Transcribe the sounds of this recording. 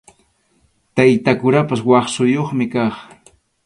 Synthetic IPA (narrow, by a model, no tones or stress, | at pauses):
t̪ajt̪akʊɾapaswɑχsʊjoχmɪkɑχ